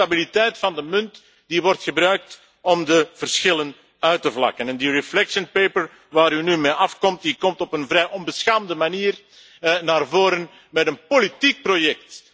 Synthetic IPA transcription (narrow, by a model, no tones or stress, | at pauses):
abilitɛjtfɑndəmɵnt | d̥iʋɔrtxəbɾœɥk̚t | ɔmdəv̥ərsxɪlən | œɥtəvlɑ̰kənɛndiɹɛflɛkʃənpejpəɹ | ʋaːɾynymeʔɑfkɔmt̚dikɔmtɔpənvɾɛjʔɔnbəsxaːmdəmaniːr | naːrvoːɾən | mɛtənpolitik̚projɛk̚t